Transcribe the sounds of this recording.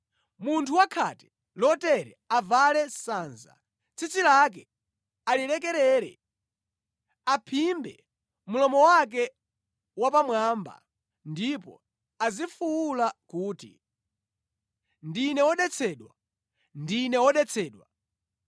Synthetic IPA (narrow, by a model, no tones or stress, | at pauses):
muntʰuwakʰatɛ̥ | lɔtɛɾɛ̰avalɛsaːnza̰ | t͡sʰit͡silak̬ɛ | alilɛk̬ɛɾɛːɾɛ̰ | apʰimbɛ | mulɔmɔwak̬ɛ | wap̬amwaːmba̰ | ndipɔ̰ | azifuwulakuːtḭ | ndinɛwɔɗɛt͡sʰɛːɗwa̰ | ndinɛwɔɗɛt͡sʰɛːɗwa